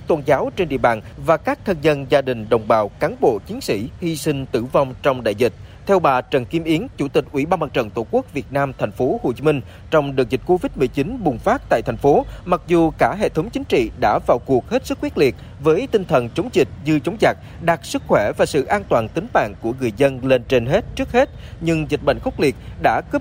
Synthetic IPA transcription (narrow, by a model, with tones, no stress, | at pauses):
t̪o˧nzaː˨˦wt͡ɕe˧nɗḭ˧˨əɓaː˨˩nvaː˨˩kaː˦˥k̚t̪ʰə˧nzə˧nzaː˧ɗï˨˩ŋ̟ɗə˨˩wŋ͡mɓaː˨˩wkaː˨˦nɓo̰˧˨t͡ɕi˨˦ənsḭ˧˩hi˧sï˧ŋ̟t̪ɨ˧˩vɔ˧wŋ͡mt͡ɕɔ˧wŋ͡mɗa̰ː˧˨jzi˨˩t̟̚ | t̪ʰɛ˧wɓaː˨˩t͡ɕə˨˩nki˧mʔi˨˦ənt͡ɕu˧˩t̪ï˨˩k̟̚ʔwḭ˧˩ɓaː˧nmaː˨˩t͡ɕə̰˧˨˩nt̪o˧˩ku˦˥ək̚vi˨˩ət̚naː˧mt̪ʰɛ˨˩jŋ̟fo˨˦ho˨˧˩t͡ɕi˨˦mï˧ŋ̟ | t͡ɕɔ˧wŋ͡mɗɨ˨ək̚zï˨˩k̟̚ko˧vi˦˥˩t̚mɨ˨˩əjt͡ɕï˨˦nɓʊ˨˩ŋ͡mfaː˦˥t̚t̪a̰ː˧˨t̪ʰjŋ̟fo˨˦ma˨˩k̚zu˨˩kaː˧˩ɦḛ˧˨t̪ʰə˨˦wŋ͡mt͡ɕï˨˦ŋ̟t͡ɕḭ˧˨ɗa̰ː˧˥vaː˨˩wku˨˩ək̚he˦˥t̚sɨ˦˥k̚xwt̚li˨˩ə | vəː˨˦jt̪ï˧ŋ̟t̪ʰə˨˩nt͡ɕə˨˦wŋ͡mzï˨˩k̟̚ɲɨ˧t͡ɕə˨˦wŋ͡mza˨˩jk̚ɗaː˨˩k̚sɨ˦˥k̚xwɛ˧˩vaː˨˩sɨ̰˧˨ʔaː˧nt̪waː˨˩nt̪ï˨˦ŋ̟ma̰ː˧˨nku˧˩əŋɨ˨˩əjzə˧nle˧nt͡ɕe˧nɦe˦˥t̚t͡ɕɨ˦˥ək̚he˦˥t̚ɲɨ˧ŋzï˨˩ɓə̰˧˨ŋ̟xə˦˥k͡p̚li˨˩ət̚ɗa̰ː˧˥kɨ˦˥p̚